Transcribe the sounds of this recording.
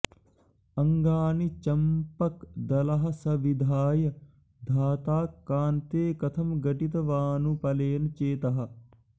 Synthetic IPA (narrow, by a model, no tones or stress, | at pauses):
ɐŋɡaːnit͡ʃɐmpɐkd̪ɐlɐɦɐ̆sɐʋid̪ʱaːjɐ | d̪ʱaːt̪aːkːaːnt̪eːkɐt̪ʰɐmɡɐʈit̪ɐʋaːnupɐleːnt͡ʃeːt̪ɐɦɐ̆